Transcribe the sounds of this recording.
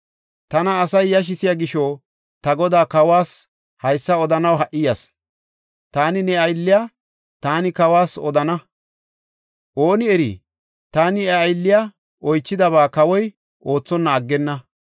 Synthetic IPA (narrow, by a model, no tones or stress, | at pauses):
t̪ɐnɐːsɐjːɐʃ̬ɪsɪjaɡɪʃo | t̪ɐɡɔd̪aːkɐwaːs | hɐjsːɐɔd̪ɐnɐwɦɐʔɪjɐs | t̪aːnɪnɛɐjlːɪjaː | t̪aːnɪkɐwaːsɔ̰d̪ɐnɐ | ʔo̞ːnɪɛɾḭ | t̪aːnɪɛɐjlːɪja | ʔɔjt͡ʃːɪd̪ɐβaːkɐwɔj | ʔo̞ːt͡sːɔnːɐːɡːɛnːɐ